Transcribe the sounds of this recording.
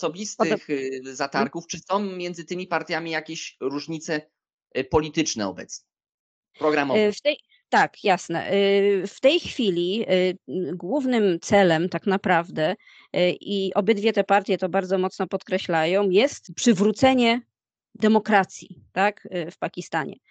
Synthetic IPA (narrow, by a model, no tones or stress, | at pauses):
ɔsɔbʲist̪ɨxzat̪aɾkuft͡ʂɨsɔ̃w̃mʲjɛnd̪zɘt̪ɘmʲipaɾt̪ʲjamʲijakʲeɕɾuʐɲit̪sɛ | pɔlʲit̪ɘt͡ʂnɛ̰ɔ̰bɛt̪sɲɛ | pɾɔɡɾamɔvɛft̪ɛj | t̪akjasnɛ̰ft̪ɛjxfʲilʲi | ɡwuvnɘmt̪sɛlɛmt̪aknapɾavd̪ɛ | ʔiʔɔbɘd̪vʲjɛt̪ɛpaɾt̪ʲjɛt̪ɔbaɾd̪zɔmɔt̪snɔpɔt̪kɾɛɕlajɔ̃w̃jɛst̪pʂɘvɾut̪sɛɲɛ | d̪ɛmɔkɾat̪sʲjit̪akfpakʲist̪aɲɛ̰